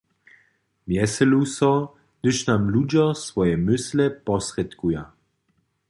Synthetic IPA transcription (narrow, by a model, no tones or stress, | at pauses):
mjɛsɛlusɔ | d̪̥ɪʃnamlud͡ʒɔsvɔjɛmʏslɛpɔsrɛt̪kuja